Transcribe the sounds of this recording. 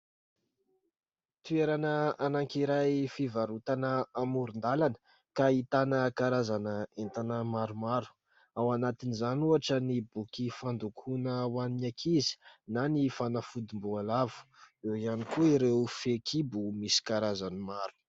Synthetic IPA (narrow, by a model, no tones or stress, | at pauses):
t̪ueɾanəanaŋkiɾajfivaɾut̪anəamuɾund̪alanə̥ | kait̪anəkaɾazanəent̪anəmaɾumaɾu̥ | awanat̪inizanuaʈ͡ʂənibukifand̪ukʰunəwaninakʰizi̥nanifanafud̪imbualavu̥ | ewianikuiɾewfekʰibumisi̥kaɾazanimaɾu̥